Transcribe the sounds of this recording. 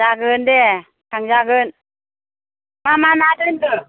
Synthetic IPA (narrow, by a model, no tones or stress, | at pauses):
aɡɯndɛ | kʰaŋd͡ʒaɡɯn | mamanadɯndɯ